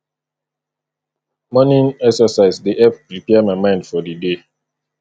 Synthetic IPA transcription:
mɔnĩnɛksəsaɪzdiʔɛp̚pɾipɛamaɪmãɪ̃ndfɔdide

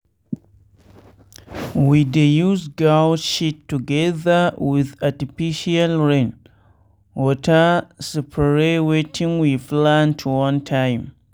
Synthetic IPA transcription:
widejuzɡalʃitːuɡɛðəwiðatifiʃialɹẽn | wɔtəsɛpʰəɹewetʰĩŋwiflãntʰwɔ̃ntʰãj̃m

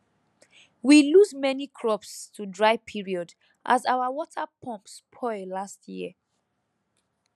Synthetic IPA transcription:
wiluzmɛnikʰɹɔpstʰudɹaɪpʰiɹiɔd | ʔa̰zaʊawɔtʰapʰɔ̃mpspʰɔɪlastʰjiə

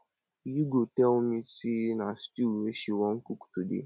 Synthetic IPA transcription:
juɡotɛlmisinastieʃiwɔŋ̩kuktudḛ

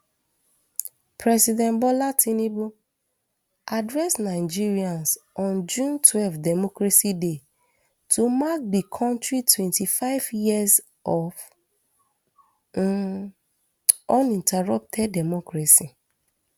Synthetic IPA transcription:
pʰɹɛsidɛ̃nbɔlatʰĩnibu | adɹɛsnaɪd͡ʒiɹiãnsɔ̃nd͡ʒũntʰwɛlfdɛmɔkɹaside | tumak̚dikʰɔ̃ntɹitwɛ̃ntifaɪvjiaz | ɔv | ɔ̃nĩntaɹɔp̚tʰɛdɛmɔkɹasi

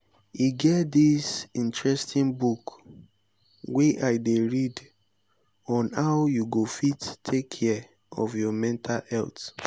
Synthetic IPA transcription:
iɡɛtdisĩntɹɛstĩnbuk | wɛʔaɪdeɹid | ɔ̃nhaʊjuɡofittʰːekʰːɛ | ɔ̰vjɔmɛ̃ntʰalɛ̰lt

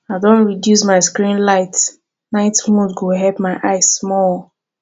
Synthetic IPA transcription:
aɪdõntɹidjus̬maɪskɹĩnlaɪt | naɪtmũdɡoɦɛlpmaɪʔaɪsmɔl

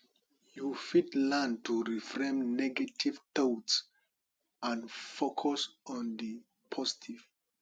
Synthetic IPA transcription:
jufitlãntuɹifɹɛ̃mnɛɡativtots | ãnfokʰɔsɔ̃ndi | pʰɔzi̥tʰiv̥

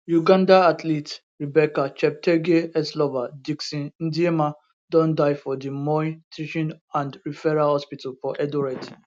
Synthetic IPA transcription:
juɡãndaatʰlit | ɹibɛkat͡ʃɛp̚tʰɛɡeɛslɔvadiksĩnĩndiema | dɔ̃ndajfɔdimɔitʰiʃɔ̃nãndɹifɛɹahɔspitalfɔʔɛdɔɹɛt

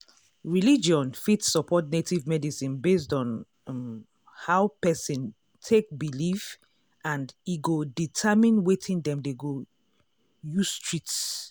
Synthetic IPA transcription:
ɹilid͡ʒiɔ̃nfitsːɔpʰɔtnetʰivmɛdisĩnbes̬tɔ̃n | haʊpɛsĩn | tʰek̚bilif | ãndiɡoditʰɛmĩnwetʰĩndɛ̃mdeɡo | justʰɹits

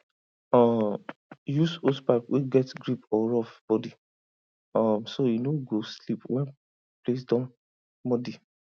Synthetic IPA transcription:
ɔ | jusospakwʔeɡɛtɡɹipɔɹɔfb̥ɔdi | ɔ̃msojunoɡoslipwɛ̃n | ples̬dɔ̃n | mɔdi

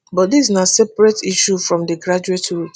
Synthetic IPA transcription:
bɔtdis̬nasɛpɹɛtʰiʃufɹɔ̃mdəɡɹad͡ʒuetʰu

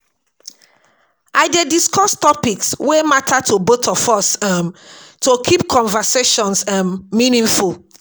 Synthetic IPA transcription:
ʔaɪdɛdiskɔstɔpikswematʰatʰobotʰɔfɔsamtokʰip̚kʰɔ̃ɱvəseʃɔ̃nsamːĩnĩŋful

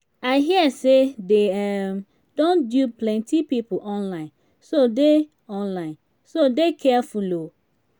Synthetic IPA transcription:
aɪɦiəsedeɛm | d̥õndjuplɛ̃ntipipoʔɔ̃nlãɪ̃n | sode | ɔ̃nlãɪ̃n | sodekʰɛafulo

